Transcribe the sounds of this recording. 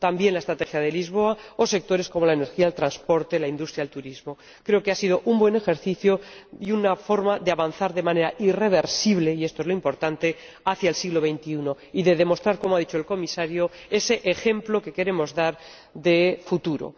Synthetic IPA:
t̪ambje̞nlaest̪ɾat̪e̞xjaðelizβ̞o̞ao̞se̞k̚t̪o̞ɾe̞sko̞mo̞laene̞ɾxialt̪ɾanspo̞ɾt̪e̞laind̪ust̪ɾjaelt̪uɾizmo̞ | kɾe̞okeasiðo̞ʔumbwe̞ne̞xe̞ɾθiθjoiunafo̞ɾmaðeaβanθaɾðe̞mãne̞ɾaʔire̞β̞e̞ɾsiβle̞iest̪oelo̞impoɾt̪ant̪e̞ | aθjaelsiɣlo̞βe̞jnt̪iuno̞ | iðe̞ðe̞mo̞st̪ɾaɾko̞moaðit͡ʃo̞elko̞misaɾjoe̞se̞ʔexe̞mplo̞ke̞ke̞ɾe̞mo̞zðaɾ | ðe̞fut̪uɾo̰

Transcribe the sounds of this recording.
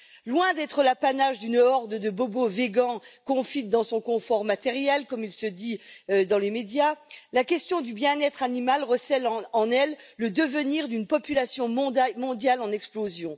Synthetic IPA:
lwɛ̃d̪ɛt̪χəlapanaʒd̪ynɔʁd̪əd̪əboboveɡɑ̃kɔ̃fit̪̚d̪ɑ̃sɔ̃kɔ̃fɔʁmat̪ɛʁjɛlkɔmilsəd̪id̪ɑ̃lemed̪jalakʲɛst̪jɔ̃d̪ybjɛ̃nɛt̪χanimalʁəsɛl̃ɑ̃nɛlːəd̪əvəniʁd̪ynpɔpylasjɔ̃mmɔ̃d̪jalɑ̃nɛksplozjɔ̃

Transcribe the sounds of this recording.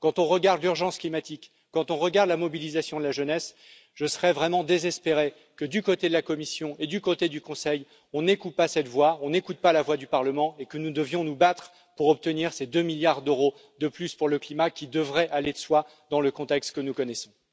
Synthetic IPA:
kɑ̃t̪ɔ̃ʁəɡaʁd̪lyʁʒɑ̃sklimat̪ikː | ɑ̃t̪ɔ̃ʁəɡaʁd̪lamɔbilizasjɔ̃d̪əlaʒənɛs | ʒ̥əsəʁɛvʁɛmɑ̃d̪ezɛspeʁe | kəd̪ykot̪ed̪əlakɔmisjɔ̃ed̪ykot̪ed̪ykɔ̃sɛj | ɔ̃nekut̪̚pasɛt̪vwaɔ̃nekut̪̚palavwad̪ypaʁləmɑ̃ekənud̪əvjɔ̃nubat̪χ | puʁɔp̚t̪əniʁsed̪ømiljaʁd̪øʁo | d̪əplyspuʁləklimakʲid̪əvʁɛʔaled̪əswa | d̪ɑ̃ləkɔ̃t̪ɛkst̪kənukɔnɛsɔ̃

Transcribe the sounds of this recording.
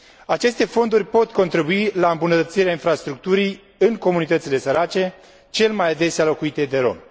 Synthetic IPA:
at͡ʃe̞st̪e̞fo̞nd̪urʲpo̞t̪ko̞nt̪ɾibuilaɨmbunət̪ət̪siɾeainfɾast̪ɾuk̚t̪uɾij | ɨŋko̞munit̪ət̪sile̞səɾat͡ʃe̞ | t͡ʃe̞lmajad̪e̞sealo̞kuit̪e̞d̪e̞ɾo̞̰m

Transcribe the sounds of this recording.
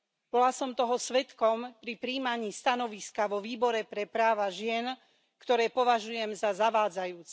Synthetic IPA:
b̥ɔlasɔmt̪ɔɦɔsʋɛt̪kɔmpɾipɾiːmaɲiːst̪anɔʋiskaʋɔʋiːbɔɾɛpɾɛpɾaːʋaʒɪɛn | kt̪ɔɾɛːpɔʋaʒujɛmzazaʋaːd͡zajuːt͡sɛ

